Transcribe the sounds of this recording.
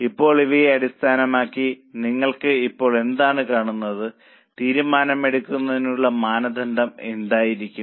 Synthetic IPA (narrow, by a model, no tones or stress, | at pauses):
ipːo̞ːɭiʋɐjeɐɽist̪ʰaːnɐmaːkːiniŋːɐɭkɨipːo̞ːɭe̞nd̪aːɳɨkaːɳunːɐðɨ | t̪iːɾumaːnɐme̞ɽukʲːunːɐðinuɭːɐmaːnɐd̪ʱɐnd̪ɐme̞̰nd̪aːjiɾikʲːum